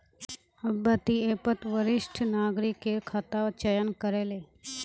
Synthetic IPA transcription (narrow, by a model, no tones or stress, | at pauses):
ɐbːət̪ieːpət̪ʋəɾɪʃʈʰnaːɡɾɪkːekʰat̪aʋt͡ʃəjənkəɾeːleː